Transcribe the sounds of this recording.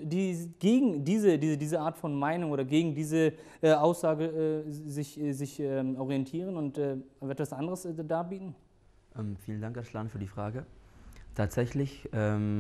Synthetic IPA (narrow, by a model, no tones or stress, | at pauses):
d̥iːɡ̥eːɡŋ̩diːzədiːzədiːzəaːɐtfɔnmaɪnʊŋoːɾɐɡeːɡŋ̩diːzə | ʔɛʔaʊsz̥aːɡəʔɛːzɪçɛzɪçɛːmʔɔʁijɛntʰiːʁ̞ənʊntɛːʔɛtv̥asʔandəʁəsdaːɐbiːtn̩ | ʔɛmfiːləndaŋkaslaːnfyːɐdiːfʁ̥aːɡətʰaːtz̥ɛçlɪçʔɛːm